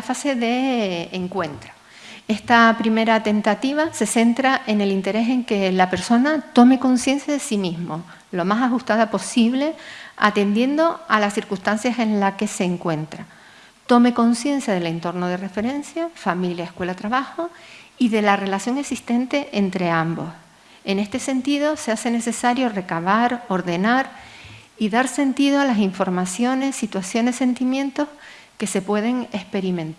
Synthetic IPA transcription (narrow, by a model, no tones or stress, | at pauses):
afase̞ðe̞ːŋkwe̞nt̪ɾo̥ | e̞st̪apɾime̞ɾat̪e̞nt̪at̪iβ̞ase̞se̞nt̪ɾaʔe̞ne̞lint̪e̞ɾe̞se̞ŋke̞lape̞ɾso̞nat̪o̞me̞ko̞nsje̞nsjaðesimiɦmo̞ | lo̞masaxust̪aðapo̞siβle̞a̰t̪e̞nd̪je̞nd̪o̞alasθiɾkust̪ansjase̞nlake̞se̞ːŋkwe̞nt̪ɾa | t̪o̞me̞ko̞nsje̞nsjað̞e̞le̞nt̪o̞rnoð̞e̞re̞fe̞ɾẽ̞nsjafamiljaehkwe̞lat̪ɾaβaxoiðe̞lare̞lasjo̞ŋe̞ksist̪e̞nt̪e̞ʔent̪ɾe̞ambo̞̰s | e̞ne̞st̪e̞se̞nt̪ið̞o̞se̞ase̞ne̞se̞saɾjo̞re̞kaβ̞aɾo̞ɾðe̞naɾ | iðaɾse̞nt̪iðoalasiɱfo̞ɾmasjo̞ne̞sːit̪wasjo̞ne̞sːe̞nt̪imjẽ̞nt̪o̞h | ke̞se̞pwe̞ð̞e̞ŋe̞spe̞ɾimẽ̞nt̪a